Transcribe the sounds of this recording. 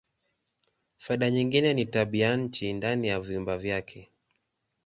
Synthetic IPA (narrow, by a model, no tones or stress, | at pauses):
faiɗaɲiŋɡinɛnitaɓiaɲ̩t͡ʃindanijaviumbavjakʰɛ